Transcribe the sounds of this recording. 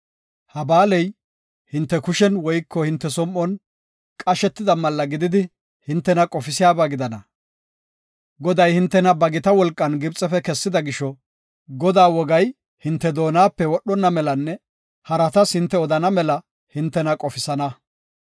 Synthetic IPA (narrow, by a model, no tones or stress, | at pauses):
hɐbaːlɛj | hɪnt̪ːɛkʊʃɛnwɔjkːɔhɪnt̪ːɛsɔmːɔn | kʼɐʃɛt̪ːɪd̪ɐmɐlːɐɡɪd̪ɪd̪ɪ | hɪnt̪ːɛnɐkʼɔfɪsɪjaːbaːɡɪd̪ɐnɐ | ɡɔd̪ɐjhɪnt̪ːɛnɐbɐɡɪt̪ɐwɔlkʼːɐnɡɪbt͡sʼɛfɛkɛsːɪd̪ɐɡɪʃɔ | ɡɔd̪aːwɔɡɐj | hɪnt̪ːɛd̪o̞ːnaːpːɛwɔɗɔnːɐmɛlɐnːɛ | hɐɾɐt̪ɐshɪnt̪ːɛɔd̪ɐnɐmɛlɐ | hɪnt̪ːɛnɐkʼɔfɪsɐnɐ